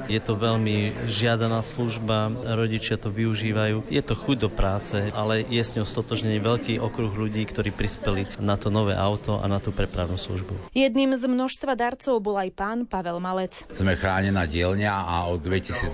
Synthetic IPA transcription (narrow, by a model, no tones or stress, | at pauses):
jɛt̪ɔʋɛʎmiʒɪad̪anaːsluʒbaɾɔɟit͡ʃɪat̪ɔʋiuʒiːʋajuːjɛt̪ɔxuɟ̚d̪ɔpɾaːt͡sɛalɛjɛsɲɛɔst̪ɔt̪ɔʒɲɛɲiʋɛʎkiːʔɔkɾuɣʎuɟiːkt̪ɔɾiːpɾispɛlinat̪ɔnɔʋɛ̰ʔaʊt̪ɔʔa̰nat̪uːpɾɛpɾaʊnuːslṵʒbujɛd̪niːmzmnɔʃst̪ʋad̪aɾt͡sɔʊbɔlajpaːnpaʋɛlmalɛt͡s | z̥mɛxɾaːɲɛnaːɟɪɛlɲaaɔd̪ʋɛcisiːd͡z